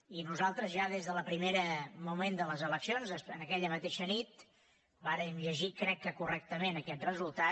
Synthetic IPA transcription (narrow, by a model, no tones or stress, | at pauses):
inuzalˠt̪ɾəzʒaðezðələpɾimeɾəmumend̪ələzələksionzəsənəkɛʎəmət̪eʃənit̪ | baɾəmʒəʒikɾɛkːəkurɛk̚t̪əmenəkɛt̪rəzulˠt̪a